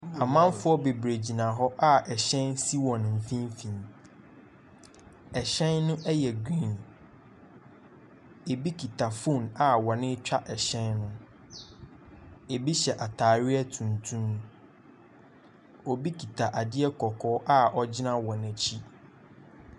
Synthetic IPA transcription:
a˨mã˦m˦fʊ˦ɔ˦be˨bɾe˨d͡ʑi˨nã˨ɦɔ˦ʔa˦ʔɛ˨ɕɛ̃˦nsi˦wɔ̃˨n˨m̩˨fĩ˦mfĩ˨m | ɛ˨ɕɛ̃˦nːʊ̃˦ʔɛ˦jɛ˨ɡĩ˦˨n | e˨bi˦kʰi˨tʰa˨fũ˦˨na˨wɔ˨nɪ̃˦t͡ɕᶣa˦ʔɛ˨ɕɛ̃˦nːʊ̃˦ | e˨bi˦ɕɛ˨ʔa˨tʰaː˨ɾɪ˦ɛ˦tʰũ˨ntʰũ˦m | ɔ˨bi˦kʰi˨tʰa˨ʔa˨dɪ˦ɛ˦kʰɔ˨kʰɔː˦ʔa˦ʔɔ˦d͡ʑɪ˦nã˦wɔ˨næ˨t͡ɕʰi˦

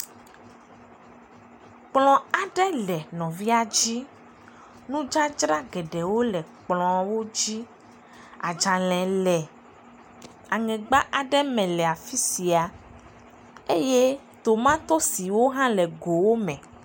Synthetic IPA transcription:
k͡plɔ̃˨a˨ɖɛ˦lɛ˨nɔ̃˨vi˦a˨d͡ʑi˦ | nũ˦d͡ʒa˦d͡ʒɾa˦ɡɛ˨ɖɛ˨wo˦lɛ˨k͡plɔ̃˨wo˦d͡ʑi˦ | a˨d͡ʒa˨lɛ̃˨lɛ˨ | a˨ŋɛ̃˨ɡ͡ba˦ʔa˨ɖɛ˦mɛ̃˨lɛ˨a˨fi˦si˨a˨ | e˦je˦ | t̪o˨mã˦t̪ɔ˦si˨wo˦ɦã˦lɛ˨ɡo˨wo˦mɛ̃˨

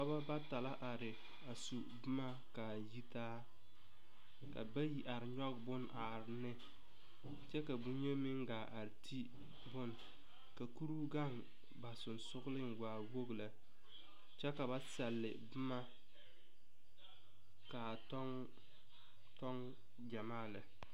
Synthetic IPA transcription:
ka˦ba˦ba˦ta˨la˦ʔa˨ɾɪ˨ | a˨su˨bʊ˦ma˦ | ka˨ji˦taː˦ | ka̰˨ba˦ji˦ʔa˨ɾɪ˨ɲɔ˦ɡbʊ˦nʔa˨ɾɪ˨nɪ˦ | t͡ʃɛ˦ka˨bu˦ɲe˦mɪ˦ŋ˦ɡaː˨ʔa˨ɾɪ˨tʰi˦ | bʊ˦n | ka˨ku˦ɾu˦ɡa˦˨ŋ | ba˨sʊ˨n˨sʊ˦ɣʊ˦lɪ˦ŋ˨waː˨wo˦ɡla˨ | t͡ʃɛ˦ka˨ba˦sɛ˨lːɪ˨bɨ˦ma˦ | ka˨tɔ˦ŋ | tɔ˦ŋ | d͡ʒa˨maː˦˨lɪ˨

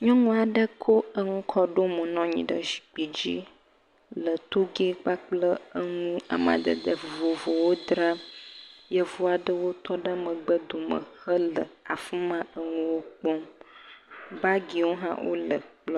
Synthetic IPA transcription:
ɲɔ̃˦ŋũ˦a˨ɖə˦kʰo˦ə˦ŋũ˦kʰɔ˦ɖo˦mə̃˨nɔ̃˦ɲḭ̃˨ɖə˦ʃi̥˨k͡pi˨d͡ʑi˦ | lə˨t̪o˦ɡe˦k͡pa˦k͡plə˦ə˦ŋũ˦a̰˨mã̰˨d̪ə̰˨d̪ə˨vo˨vo˨wo˦d̪ɾa˦ | jə˦vo˦a˨ɖə˦wo˦t̪ɔ˦ɖə˦mə̃˨ɡ͡bə˦d̪o˨mə̰̃˨xə˦lə˨a˨fi˦mã˦ə˦ŋũ˦wo˦k͡pɔ˦m | ba˦ɡi˨wo˦ɦã̰˦wʔo̰˦lə˨k͡plɔ˦

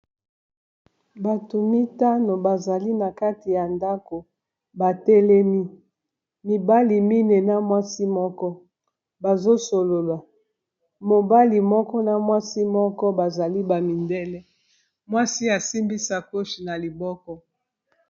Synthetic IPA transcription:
ba˨to˨mi˦ta˦no˨ba˨za˨li˦na˨ka˦ti˨ja˨nda˦ko˨ | ba˨tɛ˦lɛ˦mi˦ | mi˨ba˦li˨mi˦ne˨na˦mwa˦si˦mɔ˦kɔ˦ | ba˨zo˦so˨lo˨la˨ | mo˨ba˦li˨mɔ˦kɔ˦na˨mwa˦si˦mɔ˦kɔ˦ba˨za˨li˦ba˨mi˨ndɛ˦lɛ˦ | mwa˦si˦a˨si˦mbi˦sa˨ko˦ʃi˨na˨li˨bɔ˦kɔ˦

